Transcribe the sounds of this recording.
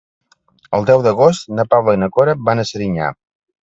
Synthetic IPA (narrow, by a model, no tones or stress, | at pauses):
əlˠd̪ɛwðəɣ̞ost̪nəpawlənəkoɾəbanəsəɾiɲa̰